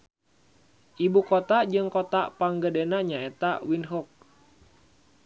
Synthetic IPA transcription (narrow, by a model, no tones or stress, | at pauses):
ʔibukɔt̪ad͡ʒɨŋkot̪apaŋɡədenaɲaet̪awinɦɔk̚